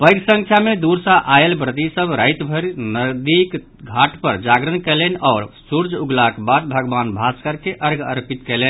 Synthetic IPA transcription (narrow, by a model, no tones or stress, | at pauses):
pəjɡsə̃ŋkʰjamed̪uɾsaʔaelbɾəd̪isəbɾəjt̪bʱəɾinəd̪ik | ɡʱaʈpəɾd͡ʒaɡɾənkɛlɛnɔːɾsuɾd͡ʒuɡlakbad̪̚bʱəɡbanbʱaskəɾkeʔəɾɡə̰ɾpit̪kɛlɛn